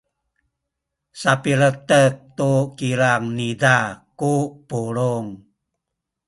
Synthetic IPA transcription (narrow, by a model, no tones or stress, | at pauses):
sapiɾət̪ək̚t̪ukiɾaŋnidakupuluŋ